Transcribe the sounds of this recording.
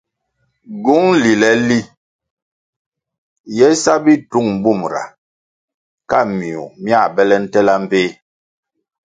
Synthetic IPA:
ɡu˨˦ŋ˦li˨lɛ˨˦li˦ | jɛ˦sa˦bi˦tu˦ŋm˨bu˦˨mɾa̰˨ | ka˦˨mi˨ṵ˨mja˦˨bɛ˦lɛ˦n̩˦tɛ˦la˦m̩˦beː˦

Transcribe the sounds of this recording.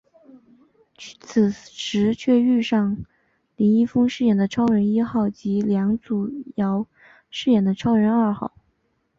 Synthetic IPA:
t͡s̩ʰ˨˩ʂɻ̩˧˥t͡ɕʰɥɛ˥˧y˥˧ʂɑ˥˩ŋ | li˧˥ŋi˥fɤ˥ŋʂɻ̩˥˩jɛ˨˩nd̪ə˦ʈ͡ʂʰɑ˥ʊɻə˧˥ni˥xɑ˥˩ʊt͡ɕi˧˥ljɑ˧˥ŋt͡su˨˩jɑ˧˥ʊ | ʂɻ̩˥˩jɛ˨˩nd̪ə˦ʈ͡ʂʰɑ˥ʊɻə˧˥nɐ˞˥˧xɑ˥˩ʊ

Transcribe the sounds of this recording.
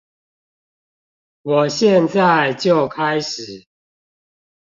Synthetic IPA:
wɔ˨˩ɕjɛ˥˨nt͡sa˥˨ɪt͡ɕjo˥˨ʊkʰa˦ɪʂ̩˨˩˦

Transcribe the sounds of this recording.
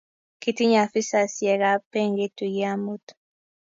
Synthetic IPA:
ki˦ti˦ɲa˨fi˦sa˨sjɛ˨ɣa˦pe˦ŋɡe˦tu˨ɡi˦a˦mo˦t

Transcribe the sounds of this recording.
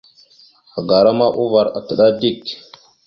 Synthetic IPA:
a˨ɡa˨ɾa˦ma˦ʔu˦va˨ɾa̰˨tə˨ɗa˦di˦˨k

